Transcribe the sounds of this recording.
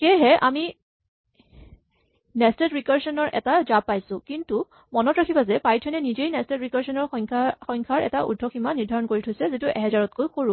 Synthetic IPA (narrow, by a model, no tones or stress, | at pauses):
kɛɦɛʔa̰mi | nɛstɛtɹikaɹsɔnɔɹʔɛ̰tad͡ʒapːajsʊ̃kintu | mɔnɔtɹakʰibazɛpajtʰɛnɛnizejnɛstɛtɹikaɹsɔnɔɹʰxɔŋkʰaɹɛ̰taʔṵdʱːɔximaniɹdʱaɹɔnkoɹitʰojsɛzituʔɛɦɛzaɹɔtkojxoɹu